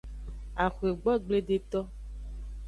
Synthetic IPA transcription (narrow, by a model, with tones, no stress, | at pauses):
a˨xu˨e˨ɡ͡bɔ˦ɡ͡ble˦ɖe˦t̪ɔ˦